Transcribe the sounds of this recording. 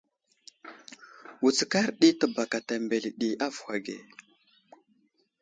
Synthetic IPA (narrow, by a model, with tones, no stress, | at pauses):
wu˨t͡ska˦ɾɗi˦tə˨ba˨ka˨ta˨mbe˨lɗi˨ʔa˦vxa˨ɡḛ˨